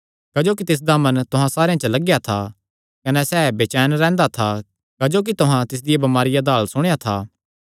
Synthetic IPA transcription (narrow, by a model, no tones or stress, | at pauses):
kɐd͡ʒoːk̬it̪ɪs̬d̪amɐnt̪ʊɦãsaːɾejãt͡ʃəlɐɡjat̪ʰa | kɐnɛsɛːbeːt͡ʃɛːnɾɛ̃ːnd̪at̪ʰa | kɐd͡ʒoːk̬it̪ʊɦãt̪ɪs̬d̪ɪjabɐmaːɾɪjad̪aːlsʊɽ̃ejat̪ʰaː